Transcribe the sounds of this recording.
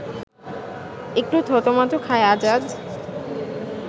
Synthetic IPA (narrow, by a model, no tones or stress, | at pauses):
ek̚ʈut̪ʰot̪omat̪okʰaead͡ʑad͡ʑ